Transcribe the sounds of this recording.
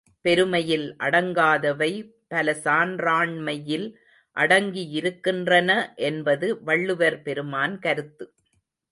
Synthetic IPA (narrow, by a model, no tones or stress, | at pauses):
pɛɾɯmɐjɪlʔɐɽɐŋɡaːðɐʋɐɪ | pɐlɐsaːnraːɳmɐjɪl | ʔɐɽɐŋɡijɪɾɯkːɪndrɐnɐʔɛnbɐðɯʋɐɭːɯʋɐɾpɛɾɯmaːnkɐɾɯt̪ːɯ